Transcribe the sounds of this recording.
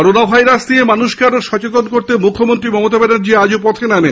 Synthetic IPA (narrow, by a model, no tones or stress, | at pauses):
ɔɾonabʱajɾasniemanuʃkeaɾoʃɔt͡ɕet̪onkoɾt̪emukʰːomont̪ɾimɔmot̪abɛnaɾd͡ʑiad͡ʑopɔt̪ʰename